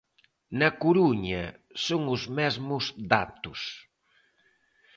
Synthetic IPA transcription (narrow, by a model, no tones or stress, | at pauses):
nɐkuɾuɲɐ̰ | soŋʊzmɛzmʊzd̪at̪ʊs